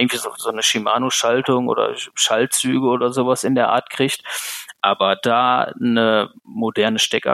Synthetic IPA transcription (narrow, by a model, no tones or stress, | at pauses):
ɡŋ̩tv̥iːzozoːnəʃima̰ːnoʃaltʊŋʔo̰ːdɐ̰ʃalt̚t͡syːɡəoːdɐzoːvasɪndeːɐʔa̰ːɐtkʁ̥ɪçtʔaːbɐdaːnəmodɛɐnəʃtɛka̰